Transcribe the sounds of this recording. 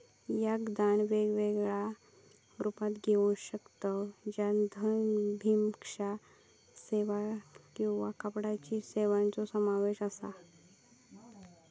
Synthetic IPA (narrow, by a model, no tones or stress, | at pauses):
jaɡd̪anʋeɡʋeɡɭa | ɾupat̪ɡʱeunɕəkt̪əd͡ʑand̪ʱənbʱimkʂa | seʋakĩw̃ʋakəpɽat͡ɕiseʋãnt͡sɔsəmaʋeɕəsa